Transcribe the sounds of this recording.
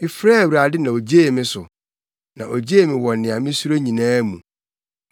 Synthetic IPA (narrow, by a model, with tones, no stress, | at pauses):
ɪ˦fɾɛː˦˨wɾa˨dɪ˦nã˨o˨d͡ʑe˦˨mɪ̃˦sʊ˨ | nã˨ʔo˨d͡ʑe˦e˨mɪ̃˨wɔ˨nɪ̃˨a˨mɪ̃˦su˦ɾo˦ɲĩ˨nãː˦mṵ̃˨